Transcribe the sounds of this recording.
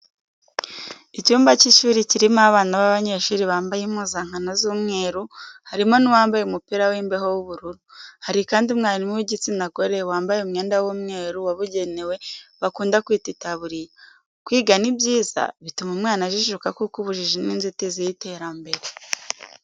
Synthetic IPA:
icuːmbaciʃuːɾiciɾimaβaːnaβaβaɲe̞ːʃuːɾiβaːmbajimuːzaŋ̥hanozuːmŋe̞ːɾuhaɾimo̞niwaːmbajeumupiɾawiːmbeɦo̞wuβuɾuɾuhaɾikaːndiumŋaːɾimuwiɟit͡sinaɡo̞ɾe̞waːmbajeumŋe̞ːndawumŋe̞ːɾuwaβuɟe̞ne̞we̞βakuːndakwiːtitaβuɾija | kwiːɡanibjiːz̥a̰βitumumŋaːnaʒiʃukakukuβuʒiʒiniːnzitizijite̞ɾambe̞ɾe

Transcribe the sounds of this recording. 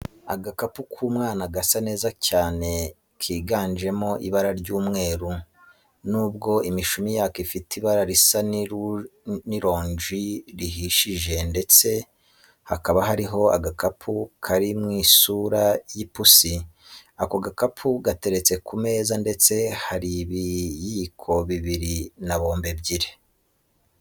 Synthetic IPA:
a̰ɡakapukʰuːmŋaːnaɡasane̞ːzacaːne̞ | kʰiːɡaːɲd͡ʒe̞mo̞ʔiβaɾaɾɟuːmŋe̞ːɾu | nuːbɡo̞imiʃumijakifitiβaɾaɾisa | niɾo̞ːɲʒiɾiɦiʃiʒe̞nde̞t͡se̞ | hakaβaɦaɾiɦo̞a̰ɡakapʰukʰaɾimŋiːsuɾajipusiakoɡakapʰuɡate̞ɾe̞t͡se̞kʰume̞ːzande̞t͡se̞haɾiβijiːkʰo̞βiβiɾinaβo̞ːmbe̞bɟiɾe̥

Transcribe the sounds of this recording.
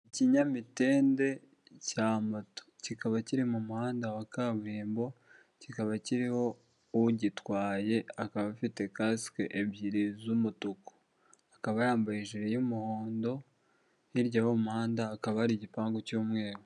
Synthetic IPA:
iciɲamite̞ːnde̞ | camato̥cikaβaciɾimumuhaːndawakaβuɾiːmbo̞ | cikaβaciɾiho̞ | uɟitwaːje̞akaβafite̞kaskeʔebjiɾizumutuko̥ | akaβajaːmbajiʒiɾejumuhoːndo̞ | iɾɟawomuhaːndaːkaβahɾiɟipaːŋɡocuːmŋe̞ːɾo

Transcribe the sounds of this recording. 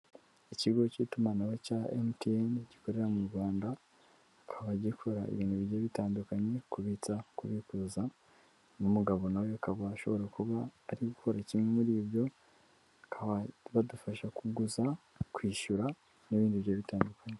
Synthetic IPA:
iciɡo̞citumanawecaenteenɟikoɾe̞ɾamuɾɡwaːndaː | kʰaβaɟikʰo̞ɾaḛβiːnduβijoβitaːndukaɲe̞kuβit͡sakuβikuza | numuɡaβo̞nawoakaβaːʃo̞βo̞ɾakuβaːɾiɡukoɾacimŋe̞muɾiːβjo̞ | akaaβadufaʃakuɡuza | kwiːʃuɾa | niβiːndiβɾjoːβitaːndukaɲe

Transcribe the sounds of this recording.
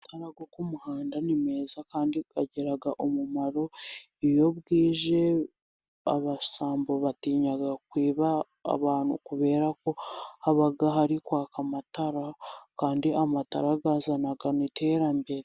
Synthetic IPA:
tʰaɾaɡokumuhaːndanime̞ːzakaːndiɡaɟeɾaɡaʔomumaɾo̞ | ijo̞βɡiːʒe̞ | a̰βasaːmbo̞βatiːɲaɡakwiːβa̰ː | βaːn̥hṵkuβe̞ːɾako̞haβaɡaɦaɾikwaːkamataɾakaːndiʔamata̰ɾaɡaːzanaɡanite̞ːɾambe̞ɾe

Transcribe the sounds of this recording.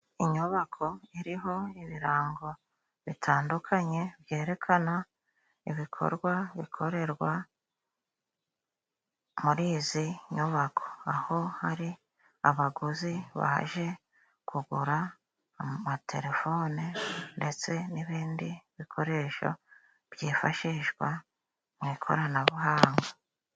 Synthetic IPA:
iɲuβakʰo̞iɾiɦo̞iβiɾaːŋɡo̞ | βitʰaːndukʰaɲe̞βje̞ːɾe̞kʰana | iβikʰo̞̰ɾɡwaβḭkʰo̞ɾe̞ɾɡwa | muɾiːziɲuβakʰo̥aho̞haɾi | aβaɡuziβa̰ʒe̞ | kʰuɡuɾaː | matʰe̞̰ɾe̞fo̞ːninde̞t͡se̞niβiːndiβikʰo̞ɾe̞ːʃo̰ | β̥jiːfa̰ʃiʒɡwa | mwikʰo̞̰ɾanaβuɦaːŋɡa

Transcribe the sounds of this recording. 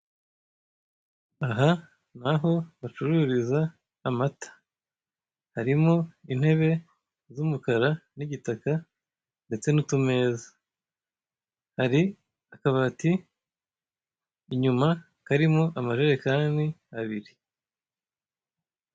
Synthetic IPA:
aɦa | n̥aɦo̞βat͡ʃuɾuɾizaː | matḁ | haɾimo̞in̥he̞βe̞ | zumukaɾaniɟitaka | nde̞t͡se̞nutume̞ːza | haɾi | akaβati | ɲuma | kaɾimo̞ʔamaʒeɾekaːniaβiɾi

